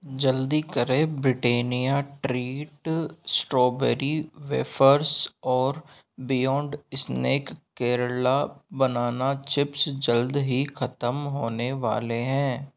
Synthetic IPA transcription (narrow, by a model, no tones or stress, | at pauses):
d͡ʒəld̪ikəɾẽbɾɪʈeːnijaʈɾiːʈsʈɾoːbɛɾiʋḛːfʰəɾsɔːɾ | bɪjɔ̃ːɳɖsneːkkːeːɾlabənaːnat͡ʃɪpsd͡ʒəld̪ɦixʰɐt̪əmɦoːneʋa̰ːleɦɛ̃ː